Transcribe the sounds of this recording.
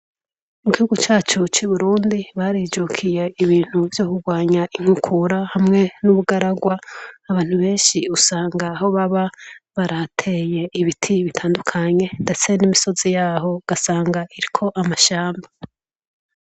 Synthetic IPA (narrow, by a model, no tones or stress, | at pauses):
muɡihuɡut͡ʃaːt͡ʃut͡ʃuβuɾuːndiβaɾiːd͡ʒukʰije̞iβiːn̥huvjo̞ːkuɡwaːɲaʔiŋ̥hukʰuɾahamŋe̞nuβuɡaɾaɡwaːβaːn̥huβe̞ːnʃiusaːŋɡaːɦo̞βaβaβaɾatʰe̞je̞iβitʰiβitʰaːndukʰaɲe̞nde̞t͡se̞nimiso̞zijaːɦo̞ɡ̥asaːŋɡaʔiɾikʰo̞ʔamaʃaːmba